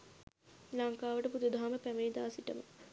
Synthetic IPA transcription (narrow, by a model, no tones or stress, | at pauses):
laŋkaːʋəʈəpud̪ud̪aɦaməpæmeːd̪aːsiʈəmə̰